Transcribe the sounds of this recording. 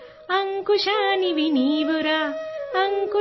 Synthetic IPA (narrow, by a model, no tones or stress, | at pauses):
ɐŋkuʃaniʋiniːʋuɾaɐŋku